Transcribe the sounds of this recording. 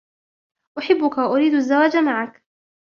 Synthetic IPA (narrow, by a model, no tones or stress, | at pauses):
ʔʊħɪbːʊkawaʔʊɾiːd̪ʔazːawaːd͡ʒamaʕak